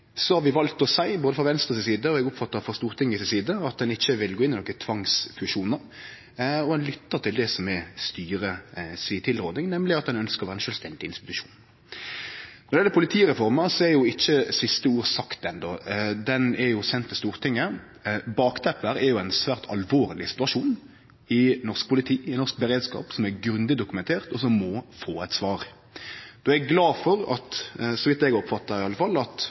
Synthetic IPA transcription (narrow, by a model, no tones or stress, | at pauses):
sɔhɑɾʋɪʋɑlt̪ɔsæɪboːd̪əfɾɑʋɛnst̪ɾəsɪsiːd̪əɔɛɡʊpfɑt̪ːɑfɔst̪uːɾt̪ʰɪŋːəsɪsiːd̪əɑt̪̚d̪ɛnɪçːəʋɪlɡoːɪnɪnɔkət̪ʰʋɑŋsfʉʂuːnəɾ | ɔd̪ɛnlʏt̪ːəɾt̪ʰɪld̪ɛsɔmɛst̪yːɾəsit̪ʰɪlɾoːd̪ɪŋnɛmlɪɑt̪d̪ɛnœnskəɾʋæːɾəɛnʃœlst̪ɛnd̪ɪɪnst̪ɪ̥t̪ʉʂu̥ːn | nɔɾdɛɛlːəpʰʊlɪt̪ʰiːʁɛfɔɾməɾsɔɛɾjʊɪçːəsɪst̪əuːɾsɑkt̪ɛnd̪ɔd̪ɛnɛɾjʊsɛnt̪ʰːɪst̪uːɾt̪ʰɪŋːə | bɑːkt̪ʰɛpːəɾɛɾjʊɛnsʋæːʁt̪ʰɑ̰lʋoːʁlɪsɪ̥t̪ʉɑʂuːn | ɪnɔʁsk̚pʊlɪt̪ʰiːɪnɔɾsk̚bəɾeːd̪skɑ̰ːpsɔmæɡɾʉnd̪ɪd̪ʊkʉmɛnt̪ʰeːʁt̪ɔsɔmːɔfoːɛt̪sʋɑːɾ | d̪̥oːæɡɡlɑːfɔɾɑ̰t̪sɔʋɪt̪ːɛɡɔpfɑt̪ːɑɾɪɑlːəfɑlːɑt̪